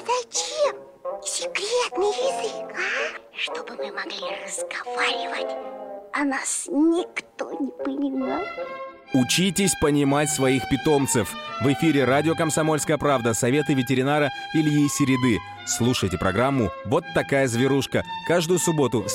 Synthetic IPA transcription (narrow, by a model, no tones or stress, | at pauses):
zɐt͡ɕem | sʲɪkɾʲet̪nɨjɪzɨkʂt̪obɨmɨmɐɡlʲirəzɡɐvaɾʲɪvə̰tʲɐnasnʲɪkt̪onʲɪpɪnʲɪmnʲot̪ | ʊt͡ɕitʲɪsʲpənʲɪmatʲsvɐixpʲɪt̪o̞mt̪sɨfvɨfʲiɾʲɪɾadʲɪokəmsɐmo̞lʲskəjəpɾavd̪əsɐvʲe̞t̪ɨvʲɪtʲɪɾʲɪnaɾə | ilʲɪjejsʲɪɾʲɪd̪ɨ | slˠuʂəjtʲɪpɾʔɐɡɾamːʊvo̞t̪ːɐkajəzvʲɪɾuʂkəkaʐd̪ʊjʊsʊbo̞t̪ʊ